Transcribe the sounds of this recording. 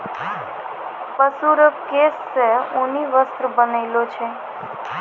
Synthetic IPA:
pəsuɾəkesːəũniʋəst̪ɾəbənailot͡ʃʰe

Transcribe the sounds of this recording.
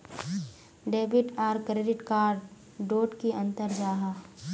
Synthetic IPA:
ɖeːbɪʈaːɾkɾeːɖɪʈkaːɾɖ | ɖoːʈkiʔɐ̃nt̪əɾd͡ʒaːɦaː

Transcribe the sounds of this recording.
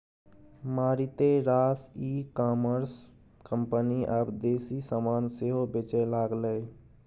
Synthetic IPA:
maːɾit̪eɾaːsikaːməɾs | kəmpəniʔəbd̪eːsisəmaːnseɦobet͡ʃelaːɡlə

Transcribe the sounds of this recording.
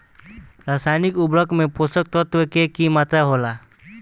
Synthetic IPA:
ɾasajnikubɾəkmẽposək̚t̪ɔt̪ʋəkekimat̪ɾaɦola

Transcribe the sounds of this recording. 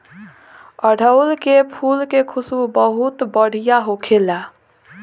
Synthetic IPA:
əɽʱəʊlkepʰulkekʰusubəɦut̪bəɽ̤ijaɦokʰela

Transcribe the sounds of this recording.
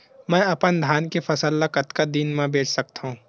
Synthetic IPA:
mɛ̃ːɐpənd̪ʱjaːnkefʰɐsəlːakɐt̪kad̪iːnmẽbeːt͡ʃʰsɐk̚t̪ɦũː

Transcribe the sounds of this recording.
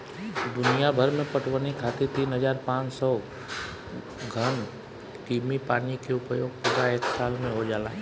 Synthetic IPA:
d̪ʊnijabʱəɾmẽpəʈʰwənikʰaːt̪it̪iːnɦəzaːɾpãːt͡ʃsɔː | ɡʱən | kiːmipaːnikeʊpjoːɡ̚pʊd̪aeːksaːlmẽɦod͡ʒaːlaːɦɛ

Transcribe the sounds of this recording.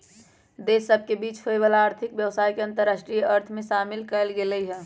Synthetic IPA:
d̪esːəb̚ʱkebiːt͡ʃhoeʋalaːɾt̪ʰɪkbjəʋsaːjkeə̃nt̪əɾːasʈɾijəɾt̪ʰmẽʃamɪlkəəlɡeləiɦɛ̃

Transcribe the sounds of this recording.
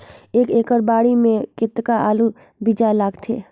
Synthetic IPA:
eːkeːkəɾbaːɽimẽkɪt̪ːkaʔaːlu | bid͡ʒalaːɡt̪ʰḛː

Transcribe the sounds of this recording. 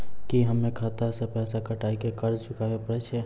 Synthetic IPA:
kiɦəmːẽkʰat̪asẽpɛːsakəʈaːikekəɾt͡ʃʰʊkaʋepəɾɛt͡ʃʰɛ

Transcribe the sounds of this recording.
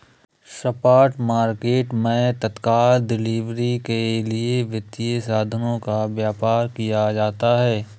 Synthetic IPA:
sɐpaːɾʈmaːɾkeːʈmẽt̪ɐt̪kaːlɖɪliːʋɾikelieʋjɪt̪ːiesaːd̪ʱənõkaʋjaːpaːɾkijad͡ʒaːt̪aɦɛː

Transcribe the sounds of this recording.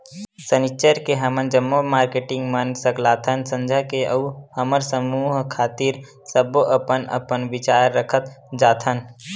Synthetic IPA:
sənit͡ʃəɾkeɦəmənd͡ʒəmːomaːɾkeʈɪ̃ŋɡmənsəklaːt̪ʰənsə̃nd͡ʒʱakeʔəuhəməɾsəmuːɦkʰaːt̪iɾ | səboʔəpənə̰pənʋɪt͡ʃaːɾːəkʰət̪d͡ʒaːt̪ʰən

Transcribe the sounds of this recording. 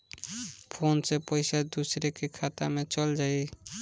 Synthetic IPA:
pʰonsepɔjsad̪usɾekekʰat̪amẽt͡ʃɔld͡ʒai

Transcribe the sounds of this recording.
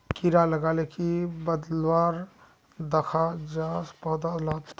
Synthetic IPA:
kiɾaləɡalekibəd̪lwaɾ | d̪əkʰad͡ʒaspəɦd̪alat̪

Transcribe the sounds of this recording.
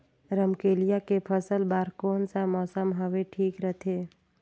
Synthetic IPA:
ɾəmkeːlijakepʰəsəlbaːɾkɔːnsamɔːsəmɦəʋeʈʰiːkɾət̪ʰeː

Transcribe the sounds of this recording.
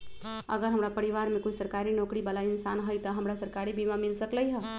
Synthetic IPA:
ə̰ɡəɾɦəmɾapəɾiʋaɾmekut͡ʃsəɾkaɾinokɾibalainsanɦəjt̪əɦəmɾasəɾkaɾibimamilsəkləjɦə

